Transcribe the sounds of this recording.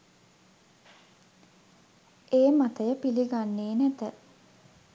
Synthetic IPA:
eːmat̪əjəpiliɡanːeːnæt̪ə

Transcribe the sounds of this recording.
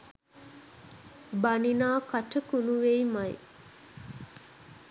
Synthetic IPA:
baninaːkaʈəkunuʋejmaj

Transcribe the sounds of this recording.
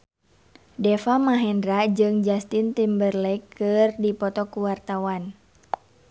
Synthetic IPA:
dɛfamaɦɛndɾad͡ʒɨŋd͡ʒast̪int̪imbərlɛkːɨrdipɔt̪ɔkuwart̪awan

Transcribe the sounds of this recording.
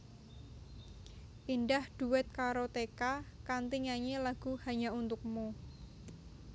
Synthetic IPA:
ʔinɖahd̪̥ṳwɛt̪̚kaɾot̪ekakant̪iɲaɲelaɡ̥ṳhaɲaunt̪ʊk̚mu

